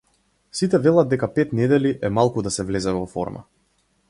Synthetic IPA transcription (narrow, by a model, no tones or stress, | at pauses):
sit̪ɛvɛlˠad̪̚dːɛkapɛt̪nɛd̪ɛliʔɛmalˠkud̪asɛvlɛzɛvɔfɔ̰ɾma̰